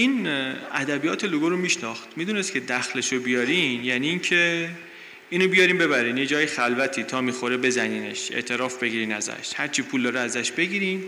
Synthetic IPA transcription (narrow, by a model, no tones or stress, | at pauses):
iːnæd̪æbijɒːt̪ʰe̞loɡoɾomiːʃnɒːxt̪miːd̪uːne̞st̪cʰe̞d̪æxleʃobijɒːɾinjæːniːncʰe | iːnobijɒːɾiːmbe̞bæɾiːnje̞d͡ʒɒːjixælvæt̪ʰiːt̪ʰɒːmiːxoɾebe̞zæniːne̞̰ʃḛʔt̪ʰe̞ɾɒːfbe̞ɡiːɾiːnæ̰zæ̰ʃhæɾt͡ʃʰiːpʰuːld̪ɒːɾeæzæʃbe̞ɡiːɾiːn